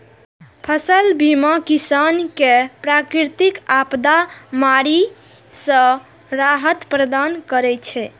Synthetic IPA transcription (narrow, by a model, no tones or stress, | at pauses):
pʰəsəlbimakisankepɾakɾiɾt̪ikapd̪amaɾi | sə̃ | ɾaɦət̪pɾəd̪ankəɾɛt͡ʃʰɛ